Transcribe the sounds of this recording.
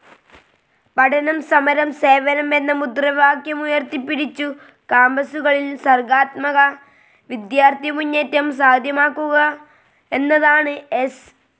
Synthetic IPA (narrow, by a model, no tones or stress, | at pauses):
pɐʈʰɐnɐmsɐmɐɾɐmse̞ːʋɐnɐme̞nːɐmud̪rɐʋaːkjɐmujɐrt̪ipːiɽit͡ɕːu | kaːmbɐsuɣɐɭilsɐrɡaːt̪mɐɣɐ | ʋid̪jaːrt̪imuɲːeːtːɐmsaːd̪ʱjɐmaːkːuɣɐ | e̞nːɐðaːɳɨes